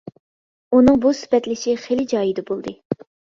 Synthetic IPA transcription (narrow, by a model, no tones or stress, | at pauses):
unɨŋbusy̥pɛt̪lɪʃiχelɪd͡ʒɑːjid̪ɛbolˠd̪ɨ